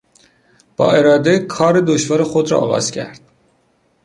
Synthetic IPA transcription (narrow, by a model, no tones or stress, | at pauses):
b̥ɒ̰ːeɾɒːd̪ekʰɒːɾed̪oʃvɒːɾexod̪ɾɒ̰ɒ̰ːɣɒ̰ːz̥cʰæ̰ɾd̪̥